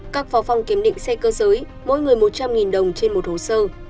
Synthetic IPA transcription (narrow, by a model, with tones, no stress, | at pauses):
kaː˦˥k̚fɔ˨˦fa˧wŋ͡mki˨˦əmɗḭ˧˨ŋ̟sɛ˧kəː˧zəː˨˦j | mo̰˧˥jŋɨ˨˩əjmo˨˩t̚t͡ɕa˧mŋi˨˩nɗə˨˩wŋ͡mt͡ɕe˧nmo˨˩t̚ho˨˩səː˧